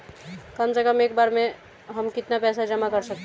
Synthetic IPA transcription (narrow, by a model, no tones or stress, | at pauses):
kəmd͡ʒəkəmek̚baɾme | ɦəmkit̪napɛsad͡ʒəmakəɾsək̚t̪ʰ